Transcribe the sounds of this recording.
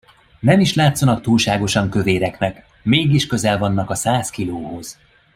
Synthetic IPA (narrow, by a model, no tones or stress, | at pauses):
nɛmiʃlaːt̪sɒnɒkt̪uːlʃaːɡo̞ʃɒŋkø̞veːɾɛknɛk | meːɡiʃkø̞zɛlvɒnːɒkɒsaːskiloːho̞z̥